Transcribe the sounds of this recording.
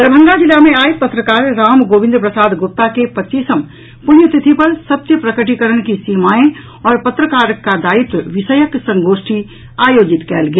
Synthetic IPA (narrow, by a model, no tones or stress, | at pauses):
d̪ɾbʱə̃ŋɡad͡ʒɪlːamẽaːipɐt̪ɾəkaːɾːaːmɡoːʋɪ̃nd̪ɾəpɾəsaːd̪ɡʊp̚t̪akepɐtːt͡ʃiːsəm | pʊnjət̪ɪt̪ʰipɐɾsɐt̪jəpɾɐkəʈikəɾəɽ̃kisiːmaːẽ | ɔːɾpɐt̪ɾəkaːɾkːad̪aːɪt̪ʋɪʃəjəksɐ̃ŋɡoːʃʈʰi | aːjoːd͡ʒɪt̪kɛ̰ːlɡijaː